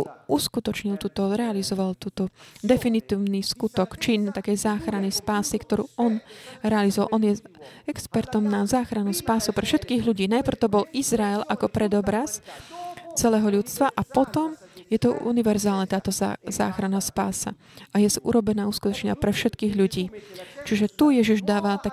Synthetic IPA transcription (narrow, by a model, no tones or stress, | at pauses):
uskut̪ɔt͡ʃɲilt̪uːt̪ɔɾɛalizɔʋalt̪uːt̪ɔd̪ɛfinit̪iːʊniskut̪ɔkt͡ʃint̪akɛjzaːxɾanɛspaːsikt̪ɔɾṵːɔnɾɛalizɔʋa̰lʔɔnjɛɛkspɛɾt̪ɔmnazaːxɾanuspaːsupɾɛfʃɛt̪kiːɣʎuɟiːnajpr̩ʊt̪ɔbɔlizɾaɛlʔakɔpɾɛd̪ɔbɾas | t͡sɛlɛːɦɔʎut͡sst̪ʋaʔapɔt̪ɔmjɛt̪ɔṵniʋɛɾzaːlnɛt̪aːt̪ɔza̰ːxɾanaspa̰ːsa̰ | ʔajɛsʔṵɾʔɔbɛnaːuskut̪ɔt͡ʃɲa̰pɾɛfʃɛt̪kiːɣʎuɟiːt͡ʃiʒɛt̪ujɛʒiʒd̪aːʋat̪a